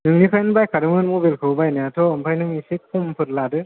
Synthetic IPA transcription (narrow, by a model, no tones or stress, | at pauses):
nɯŋnipʰajnbajkʰaɾɯmɯnmobelkʰɯbajnajatʰɔːmpʰajnɯŋisikʰumpʰɯɾladɯ